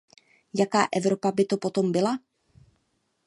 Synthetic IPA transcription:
jakaːʔɛvɾo̞pabɪt̪o̞po̞t̪o̞mbɪla

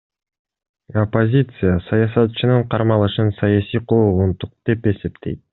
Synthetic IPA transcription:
opːozʲit̪sɨjasɑjɑsɑt̪t͡ʃɯnɯɴqʰɑɾmɑlˠɯʃɯnsɑjɑsijqʰolʁunt̪uq̚d̪̥e̞pe̞se̞pt̪ʰe̞̰jt̪̚

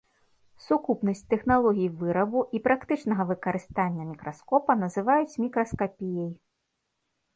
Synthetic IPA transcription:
sukupnɐsʲt͡sʲt̪ɛxnalˠɔɣʲijivɨɾɐbuʔipɾakt̪ɨt͡ʂnɐɣɐvɨkɐɾɨst̪anʲːɐmʲikɾaskɔpɐnɐzɨvajut͡sʲmʲikɾɐskapʲijɐj

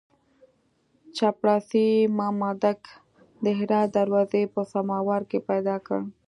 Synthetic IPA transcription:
t͡ʃapɽɑsimɑmɑd̪ak | d̪əɦɪɾɑt̪̚d̪aɾwɑzepəsamɑwaɾkepajd̪ɑkə̰ɽ

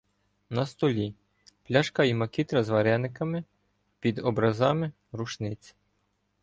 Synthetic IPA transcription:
nɐst̪ɔlʲi | plʲɑʃkɑimɐkʲit̪ɾɐzʋɐɾɛnɪkɐmɪ | pʲid̪ɔbɾɐzɑmɪ | ɾuʃnɪt͡sʲ

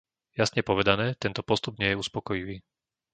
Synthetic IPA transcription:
jasɲɛpɔʋɛd̪anɛːt̪ɛnt̪ɔpɔst̪ub̚ɲɪɛjɛuspɔkɔjiʋiː

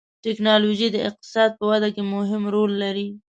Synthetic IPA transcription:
ʈɪknɑloʒid̪əɪq̚t̪ɪ̥sɑd̪̚pəwad̪akemʊɦɪmɾolːaɾi

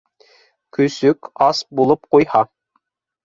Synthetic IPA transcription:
kʲʰysykʲɑsbolˠup̚qojhɑ

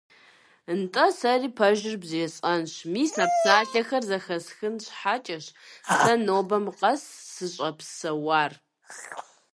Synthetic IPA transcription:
ɨntʼɐsɐriːpʰɐʒɪrbzeːɕʼɐnɕmiːsaːpsaːɬɐxɐrzɐxɐsxɨnɕħat͡ʃʼɐɕsɐnoːbɐmqɐsːɨɕʼɐpsɐwaːr

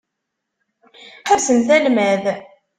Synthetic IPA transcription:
ħæsənθælmæð

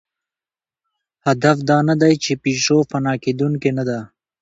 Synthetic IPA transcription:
hɐd̪ɐfd̪aːnɐd̪ɐjt͡ʃepiːʂofɐnaːked̪uŋkenɐd̪aː

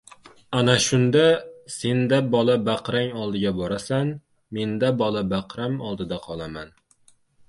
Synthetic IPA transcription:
anaʃʊnd̪ase̞nd̪abɒlˠabaqɾaŋɒlˠd̪ɪɡʲabɒɾasan | me̞nd̪abɒlˠabaqɾamɒlˠd̪ɪd̪aqʰɒlˠaman

